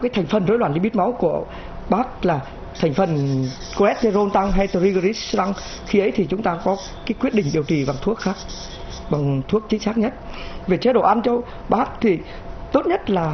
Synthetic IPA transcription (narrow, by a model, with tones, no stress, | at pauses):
kaː˨˦jt̪ʰa˨˩ŋ̟fə˨˩nzo˨˧˦lwaː˧˩nɗi˧ɓt̚ma˨˦wku˧˩ə | ɓaː˦˥k̚laː˨˩ | t̪ʰa˨˩jŋ̟fə˨˩n | ko˧ɛ˦˥t̚t̪e˧zo˧nt̪a˧ŋɦa˧jt̪ə˧ɾi˧ɣə˧ɾi˦˥st̪a˧ŋ | xi˧ʔə˨˦jt̪ʰi˨˩t͡ɕʊ˨˦ŋ͡mt̪aː˧˩kɔ˨˦ | kaː˨˦jkwi˦˥ət̚ɗḭ̈˧˨ŋ̟ɗi˨˩əwt͡ɕḭ˧˩ɓa˨˩ŋt̪ʰu˦˥ək̚xaː˦˥k̚ | ɓa˨˩ŋt̪ʰu˦˥ək̚t͡ɕï˨˦ŋ̟saː˦˥k̚ɲə˦˥t̚ve˨˩t͡ɕe˨˦ɗo̰˧˩ʔa˧nt͡ɕɔ˧w | ɓaː˦˥k̚t̪ʰi˨˩ | t̪o˦˥t̚ɲə˦˥t̚laː˨˩